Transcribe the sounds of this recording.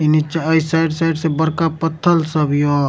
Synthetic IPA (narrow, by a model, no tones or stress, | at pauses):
init͡ʃaəjsajɖsajɖsẽbəɾkapət̪ʰːəlsəbjo